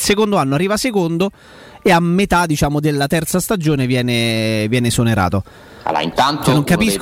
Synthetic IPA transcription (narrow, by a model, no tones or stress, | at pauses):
lsekond̪oanːoarːiːvasekond̪o | eamːet̪ad̪it͡ʃaːmod̪elːat̪ɛrt̪sast̪ad͡ʒoːnevjɛːnevjɛːnesoneɾa̰ːt̪o | a̰la̰ḭnt̪ant̪nːoŋkapisk